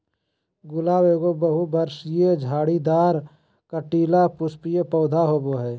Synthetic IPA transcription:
ɡʊlaːweːɡobəɦubəɾsjed͡ʒʱaːɽid̪aːɾ | kəʈiːlapʊspijepɔːd̪ʱaɦoːboɦɛː

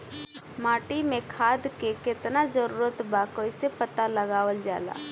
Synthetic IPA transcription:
mãːʈimẽkʰaːd̪kekɪt̪nazəɾuːɾət̪baːkoːjsepət̪aləɡaːwəld͡ʒa̰ːla̰ː

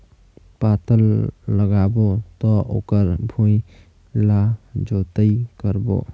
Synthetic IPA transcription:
pat̪əlːəɡabot̪ɔʔo̰kəɾbʱũj | lad͡ʒot̪əikəɾbo̰

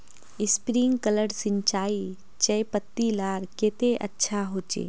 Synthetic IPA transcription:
ɪspɾiŋɡkələɽsɪɲt͡ʃaːi | t͡ʃəjpət̪ːilaːɾkeːt̪eʔə̰tːʃʰaɦoːt͡ʃḛː

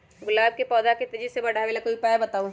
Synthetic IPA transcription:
ɡʊlaːb̚kepɔːd̪aket̪ɐd͡ʒisebɐɽ̤ʱaʋelekoipɛːbɐt̪aːũ

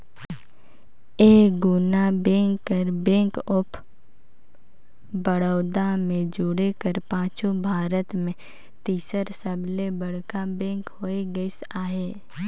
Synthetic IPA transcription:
eːɡʊnabẽːŋkːəɾbẽːkʊpʰ | bəɽəːd̪amẽd͡ʒʊɽekəɾpãːt͡ʃubʱaːɾət̪mẽ | t̪iːsəɾsəblebəɽ̤kabẽːŋkɦoːeɡəisaːɦeː

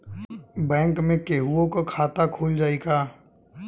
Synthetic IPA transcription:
bɛ̃ːŋkmẽkeːɦuõkokʰaːt̪akʰuːld͡ʒaːeːɡaː

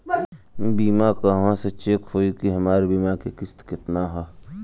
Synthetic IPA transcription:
biːmakaʋãset͡ʃeːkhoːikiɦɐmaːɾebiːmakekɪst̪kɪt̪naɦɛː

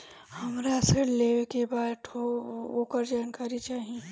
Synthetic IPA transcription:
hɐmɾasəɽleʋekebaːd̪ʈʰooːkəɾd͡ʒaːnkaːɾit͡ʃaːɦi

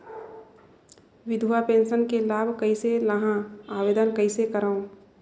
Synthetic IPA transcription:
ʋɪd̪ʱuapẽːnʃənkelaːbʱkɐiseləɦãaːʋeːd̪ənkəisekəɾaːõ

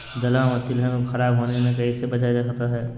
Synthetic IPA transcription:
d̪ɐlãmət̪ːilɦɛ̃xɐɾaːbɦoːnemẽkɐɦisebɐd͡ʒad͡ʒaːt̪aɦɛː

